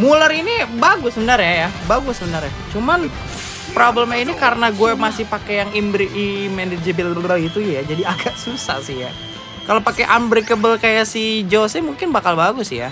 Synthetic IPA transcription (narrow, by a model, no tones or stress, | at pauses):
muləɾinibaɡʊsːəbənarjajabaɡʊsəbənarjat͡ʃuman | pɾoblɛmainikaɾənaɡuɛmasɪhpakejaŋimbɾiʔimɛnded͡ʒəbiləɾait̪ujad͡ʒadiaɡaʔsusa̰hsɪhja | kalopakeʔanbɾikəbəlkajasid͡ʒosɛmuŋkɪnbakalbaɡʊsja̰